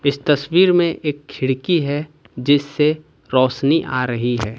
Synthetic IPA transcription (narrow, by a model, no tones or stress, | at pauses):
ɪst̪ɐswiːɾmẽʔeːkʰːɪɽkiɦɛ | d͡ʒɪsːe | ɾɔːʃniʔa̰ːɾɐɦiɦɛː